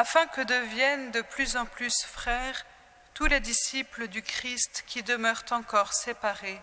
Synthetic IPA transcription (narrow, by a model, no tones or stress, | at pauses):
afɛ̃kəd̪əvjɛnd̪əplyzɑ̃plysfχɛʁ | t̪uled̪isipləd̪ykχist̪kʲid̪əmœʁt̪ɑ̃kɔʁsepaʁe